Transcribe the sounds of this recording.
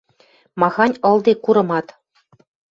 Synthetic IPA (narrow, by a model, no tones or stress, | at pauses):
mɑɣɑnʲɤ̆lˠd̪ekuɾɤ̆mɑt̪